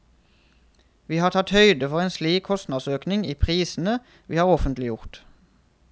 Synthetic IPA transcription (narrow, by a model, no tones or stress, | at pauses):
ʋiːhɑːʁt̪ʰɑt̪hœʏd̪əfɔʁeːnsliːkkʰɔst̪nɑːd̪søːknɪŋiːpʰʁiːsn̩ə | ʋiːhɑːʁɔfənt̪lɪjʊʁt̪